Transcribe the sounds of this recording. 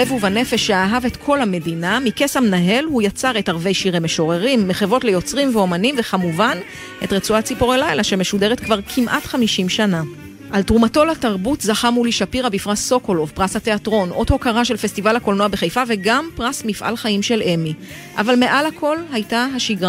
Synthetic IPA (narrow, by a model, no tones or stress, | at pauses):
evuvane̞fe̞ʃːeaɦave̞tkʰo̞lhame̞dinamike̞samnaɦe̞lhujat͡saʁe̞taʁve̞jʃiʁejmeʃo̞ʁeʁimːeχevo̞tle̞jo̞t͡sʁimveo̞manimve̞χamuvan | ʔe̞tʁet͡suat͡sipoʁelajlaʃemeʃude̞ʁetkvaʁkʰimʔatχamiʃimʃana | ʔaltʁumato̞lataʁbutzaχamuliʃapiʁabifʁasso̞kolovpʁashate̞atʁo̞nʔo̞dho̞kaʁaʃe̞lfe̞stivalhako̞lno̞abeχejfave̞ɡampʁasmifʔa̰lχaimʃe̞lʔe̞mi | ʔa̰valme̞ʔalhakʰo̞lhajtaɦaʃiɡʁa